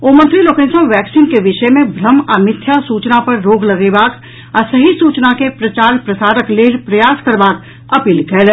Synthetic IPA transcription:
oːmə̃nt̪ɾiloːkẽːnsə̃ʋɛːksiːnkeʋɪʃəmẽbʱɾəmaːmɪt̪ʰːjasuːt͡ʃnapɐɾːoːɡlɐɡeːbaːk | asɐɦisuːt͡ʃnakepɾɐt͡ʃaːɾpɾɐsaːɾəkleːɾpɾɐjaːskɐɾbaːk | ɐpiːlkɛːl

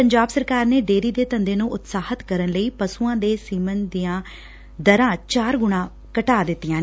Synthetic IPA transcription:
əɲd͡ʒaːbsəɾkaːɾneːɖeːɾiːd̪eːt̪ənd̪eːnũːʔʊt̪saːhət̪kəɾənləiːpəsuːãːd̪eːsiːmənd̪ijãː | d̪əɾãːt͡ʃaːɾɡʊɽ̃ãː | kəʈaːd̪ɪt̪ːɪjãː

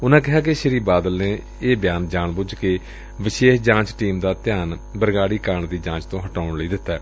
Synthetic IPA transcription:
ʊnãːk̬ɪɦaːk̬eʃəɾiːbaːd̪əlneː | eːbjaːnd͡ʒaːɳbʊd͡ʒkeː | ʋɪʃeːʃd͡ʒãːt͡ʃʈiːmd̪aːt̪ɪjaːnbəɾɡaːɽiːkaːɳd̪iːd͡ʒãːt͡ʃt̪õːɦəʈaːʊɳləiːd̪ɪt̪ːaː

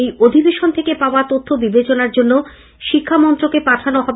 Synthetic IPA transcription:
ejod̪ʱibeʃont̪ʰekepaoat̪ot̪ʰːobibet͡ɕonaɾd͡ʑonːo | ʃikʰːamɔnt̪ɾokepaʈʰanoɦɔbe

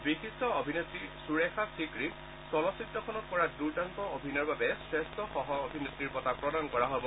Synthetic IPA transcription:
bixisɔobʱinetɹisuɹexasikɹi | sɔlɔsitːɔkʰɔnɔt̚kɔɹaduɹdankɔobʱinɔɹbabɛsɹestɔxɔɦɔobʱinetɹiɹpɔtapɹɔdankɔɹaɦɔbɔ

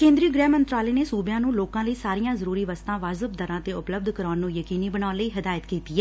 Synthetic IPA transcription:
kẽːnd̪ɾiəɡɾɛːmənt̪ɾaːleːneːsuːbjãːnũːloːkãːləiːsaːɾijãːzəɾuːɾiːʋəst̪ãːʋaːzəbd̪əɾãːt̪eːʊpləb̚d̪ʱkəɾaːnːũːjəkiːniːbənaːnləiːɦɪd̪aːjət̪kiːt̪iːɛ

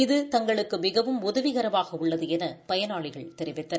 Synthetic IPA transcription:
ɪðɯt̪ɐŋɡɐɭɯkːɯmɪɣɐʋɯmʊðɐʋɪɣɐɾɐʋaːɣɐʊɭːɐðɯɛnɐpɐjɐnaːɭɪɣɐɭt̪ɛɾɪʋɪt̪ːɐ

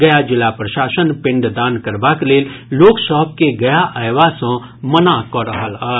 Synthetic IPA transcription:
ɡɐjad͡ʒɪlapɾəʃaːsənpɪ̃ɳɖd̪aːnkəɾbakleːlloːksɔɦb̚keɡɐjaʔəjʋasə̃ | mənakɔɾɦalaː

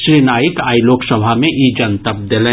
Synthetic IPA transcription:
ʃɾinaːjɪkaːiloːksəbʱamẽʔid͡ʒənt̪əp̚d̪elẽː

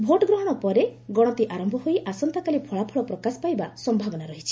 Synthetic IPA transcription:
bʱoʈɔɡɾɔɦɔɽ̃ɔpɔɾeɡɔɽ̃ɔt̪iʔaɾɔmbʱɔɦojʔasɔnt̪akalipʰɔɭapʰɔɭɔpɾɔkasɔ̥pajbasɔmbʱabɔnaɾɔɦit͡ʃʰi̥

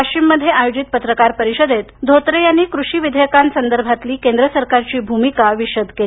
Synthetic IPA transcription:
akt͡ɕimːəd̪ʱjeajod͡ʑit̪̚pət̪ɾəkaɾpəɾiɕəd̪et̪d̪ʱot̪ɾejanːiːkɾuʂiːʋid̪ʱəjəkãnsənd̪əɾbʱat̪liːkend̪ɾəsəɾkaɾt͡ɕiːbʱumikaʋiɕəd̪ke

